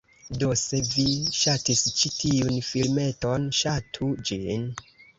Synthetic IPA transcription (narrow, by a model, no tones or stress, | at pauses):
dose̞viʃatist͡ʃitʰiunfilme̞to̞nʃatʰud͡ʒin